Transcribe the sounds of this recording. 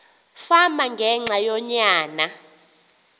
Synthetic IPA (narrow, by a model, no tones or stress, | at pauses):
famaŋɡʱɛŋ͡ǁʱajɔɲaːna